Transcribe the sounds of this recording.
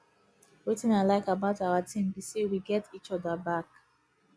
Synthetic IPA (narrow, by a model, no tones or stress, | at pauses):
wetɪ̃naɪlaɪkabaʊtaatʰĩmbisewiɡɛtit͡ʃɔdəbak